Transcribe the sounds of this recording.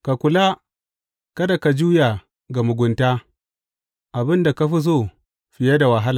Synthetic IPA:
ka˨kʷʊ˨la˦ | kɐ˦da˨ka˨d͡ʒuː˦ja˨ | ɡa˨mʊ˨ɡʷʊ˨ntaː˦ | ʔa˨bɪ˦nda˨ka˦ɸi˦s̬oː˦˨ | ɸɪ˨ja˦da˨wa˨ɦa˦la˨

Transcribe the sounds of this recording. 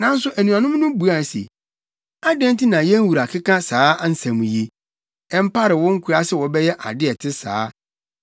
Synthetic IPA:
nã˦n̩˦sʊ˦ʔæ˨nũ˨ã˨nʊ̃˦m˦nʊ̃˦bu˨a˦˨n˨sḛ˨ | a˦dɛ̃˦n˦ti˦nã˨jɛ̃˦n˦wu˨ɾa˨kʰɪ˦kʰã˦saː˨˦n̩˦sã˨mũ˨je˨ | ɛ˦m̩˦pa˦ɾɪ˨wɔ̃˦ŋ̩˦kʰu˨ɾa˦sɪ˦wɔ˨bɛ˦jɛ˦ʔa̰˨dɪ˦ɛ˨tʰɪ˦sa̰ː˨˦

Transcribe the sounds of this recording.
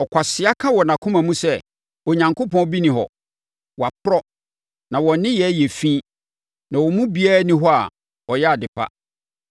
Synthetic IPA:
ɔ˨kʰʷa˨sɪ˨a˦kʰã˦wɔ˨nã˨kʰʊ̃˦mã˨mũ˦sɛ˦˨ | o˨ɲã˨ŋko˦pʰɔ̃˦bi˦nĩ˨ɦɔ̰˨ | wɔ˨a˨pʰʊ˦ɾɔ˦ | nã˨wɔ̃˨nɪ̃˦jɛ˨˦jɛ˨fĩ˦ | nã˨wɔ˨mũ˦bi˦a˦ɾa˦nĩ˦ɦɔ˦a̰˨ | ɔ˨jɛ˦a˨dɪ˨pʰa̰˦

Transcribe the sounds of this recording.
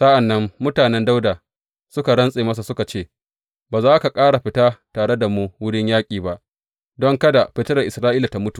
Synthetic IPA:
sɐ˦ʔa˨nːɐ˦mːʊ˦taː˨nɛ˦nda˦wdaː˨ | sʊ˦ka˨ɽɐ˦nsʼeː˨mɐ˦s̬a˨sʊ˦ka˨t͡ʃeː˦ | baː˨zaː˦ka˨kʼaː˦ɽa˨ɸɪ˦taː˦taː˨ɽe˦da˨mu˦wʊ˦ɽɪ˦ɲjaː˦kʲʼiː˨ba˦ʔ | dɔ˦ŋkɐ˦da˨ɸɪ˦tɪ˦ɽɐ˨ʔɪ˨sɾaː˦ʔiː˦la˨ta˨mʊ˦tu̥˨

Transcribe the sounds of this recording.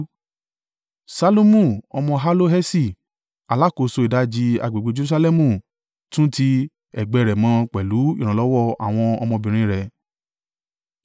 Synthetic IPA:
sa˧lo˦mũ˦˨ɔ˧mɔ̃˧ɦa˦lo˦ɦɛ˦si˦˨ | a˨la˨˦˨ko˨˧˨so˧i˨da˨˦d͡ʒi˧a̰˧ɡ͡be˨ɡ͡be˧˦d͡ʒe˧ɾu˦sa˧lɛ˦mũ˦˨ | tũ˦ti˧ | ɛ˨ɡ͡bɛ˧˨ɾɛ˨mãː˧˦k͡pɛ˨lu˨˦ḭ˦˨ɾ̃ã˨lɔ˨˦wɔ˦˨a̰˨w̃ɔ̃˧ɔ̰˧mɔ̃˧bĩ˨ɾ̃ĩ˦ɾɛ˨

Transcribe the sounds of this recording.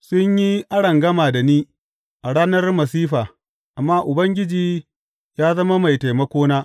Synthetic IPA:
sʊ˦ɲji˦ʔa˦ɽɐ˨ŋɡɐ˦maː˨da˨niː˦ | ʔa˨ɽaː˦nɐ˦rmɐ˨siː˦ɸaː˨ | ʔa˨mːaː˦ʔʊ˨bɐ˦ŋɡʲɪ˦d͡ʒiː˨ | jaː˦zɐ˦ma˦ma˨jta˨jmɐ˦kʷoː˦naː˦

